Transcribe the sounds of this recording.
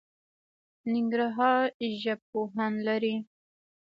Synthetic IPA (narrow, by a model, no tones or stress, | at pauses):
nɪŋɡɾaɦɑɾʒab̚poɦanlaɾi